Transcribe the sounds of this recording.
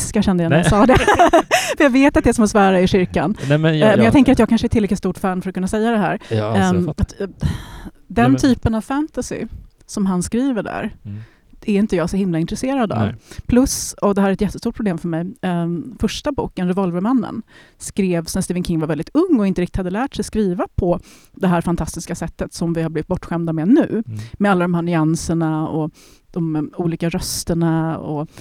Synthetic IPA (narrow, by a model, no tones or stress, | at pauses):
skaʂɛnd̪əjaɛjasɑːd̪ɛ | fəjɑɡveːt̪at̪̚d̪ɛsɔmɛsvɑːɾaɪɕʏɾka̰nmmɛnjɑɡt̪ʰɛŋkəɾat̪jɑɡkanʂəɛtʰɪlɾɛk̪ɪst̪uːʈfæːnfœɾɔtkʰɵnːasɛjːad̪ɛɦæ̰ːɾ | at̪ | d̪ɛnt̪ʰyːpənavfænt̪asɪ̰ | sɔmɦanskɾiːvəɖæ̰ɾ | ɛɾɪnt̪əjɑːɡsɔhɪmlaɪnt̪ɾɛseːɾad̪ɑ̰vpʰlɵsɔd̪ɛhæɾɛt̪jɛt̪ːəst̪uːʈ̚pʰɾʊbleːmfœɾmɛj | fœʂʈabṵːkənɾɛvɔlvəɾmanːə̰n | skɾeːvsɛnst̪iːvənkʰɪŋːvaɾvɛld̪ɪt̪ɵŋːɔɪnt̪əɾɪk̚tɪt̪had̪ːəlæːʈsɛjskɾiːvapʰɔ | d̪ɛɦæːɾfant̪ʰast̪ɪskasɛt̪ːət̪sɔmvɪhaɾbliːvɪt̪bɔʈːɧɛmd̪amɛnʉ̟ːmɛalːad̪ɔmɦæːɳʏansəɳaɔ | d̪̥ɔmuːliːkaɾœst̪əɳaɔ̰